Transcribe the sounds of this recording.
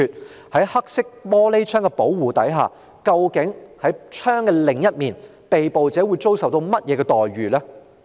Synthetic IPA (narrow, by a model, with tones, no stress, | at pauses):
yː˨t̚ | hɐ˨˥jhɐ˥k̚sɪ˥k̚mɔː˥le˥jt͡ʃʰœː˥ŋkɛ˧po˨˥wwuː˨t̪ɐ˨˥jɦa̰ː˨ | kɐ˧wkɪ˨˥ŋhɐ˨˥jt͡ʃʰœː˥ŋkɛː˧lɪ˨˩ŋjɐ˥t̚miː˨˩n | pe˨jpo˨wt͡sɛː˨˥wuː˨˧jt͡so˥wsɐ˨wt̪o˧wmɐ˥t̚jɛː˨˧kɛː˧t̪ɔː˨jɥyː˨lɛː˥